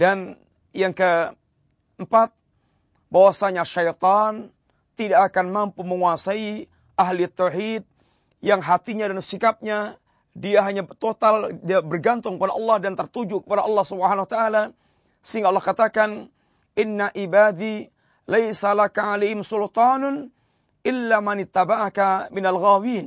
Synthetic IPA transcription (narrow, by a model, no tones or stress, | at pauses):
dan | jaŋkə | mpat̪̚ | bawasaɲaʃajt̪ɑn | t̪idaʔːkanmampuməŋuasai | aɦliat̪ːawħid̪̚ | jaŋɦat̪iɲadansikap̚ɲa | diaɦaɲat̪ot̪aldabərɡant̪ʊŋkəpadaʔɑlːɑhdant̪ərt̪ud͡ʒukə̥padaʔɑlːɑhsubəhanawat̪aʔala | səiŋɡaɑlːɑhkat̪akan | ʔɪnːaʔibad̪i | lajsalakaʕalejhɪmsʊlt̪ɑːn | ʔɪlːamanɪt̪ːabaʔakamɪnalɣawiːn